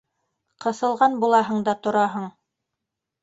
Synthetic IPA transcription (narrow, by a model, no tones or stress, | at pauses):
qɤ̆sɤ̆lˠʁɑnbulˠɑɦɤ̆ɴd̪ɑt̪ŏɾɑɦɤɴ